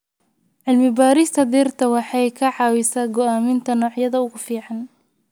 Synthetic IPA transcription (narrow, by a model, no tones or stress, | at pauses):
ʕɪlmɪbaːɾɪst̪ʰɐd̪iːrt̪ʰɐwɑħɑjkʰɐʕɑːwisaːɡɔʔaːmɪnt̪ʰɐnɔːʕjɐðɐʊɣʊfiːʕɑn